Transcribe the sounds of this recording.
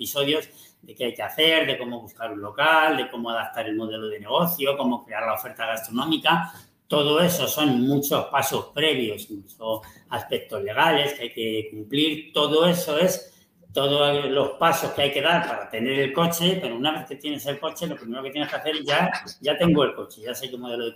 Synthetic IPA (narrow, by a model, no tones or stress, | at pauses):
iso̞ðjo̞z | d̪e̞keajke̞aθe̞ɾðe̞ko̞mo̞β̞uskaɾunlo̞kald̪e̞ko̞mo̞aðap̚t̪aɾe̞lmo̞ðe̞loðe̞ne̞ɣ̞o̞θjo̞ko̞mo̞kɾe̞aɾlaofe̞ɾt̪aɣast̪ɾo̞nõ̞mika | t̪o̞ð̞o̞e̞so̞so̞nmut͡ʃo̞spaso̞spɾe̞β̞jo̞siŋklusoaspe̞k̚t̪o̞zle̞ɣ̞ale̞skeajke̞kumpliɾt̪o̞ðo̞e̞so̞e̞s | t̪o̞ðolo̞spaso̞skeajke̞ðaɾpaɾat̪e̞ne̞ɾe̞lko̞t͡ʃe̞pe̞ɾounaβ̞e̞θke̞t̪je̞ne̞se̞lko̞t͡ʃe̞lo̞pɾime̞ɾokejeneskeaθe̞ɾʝaɟ͡ʝat̪e̞ŋɡoe̞lko̞t͡ʃe̞ʝasekemoð̞e̞loe